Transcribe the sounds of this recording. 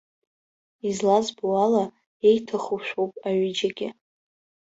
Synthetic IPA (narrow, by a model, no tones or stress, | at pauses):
izlazbuala | ejtʰaχuʃᶣʷowpʼaɥɪd͡ʒaɡʲɪ